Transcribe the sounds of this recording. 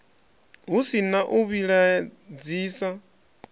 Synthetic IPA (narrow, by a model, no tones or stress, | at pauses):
ɦusinaʔuβiɺad͡ziːsa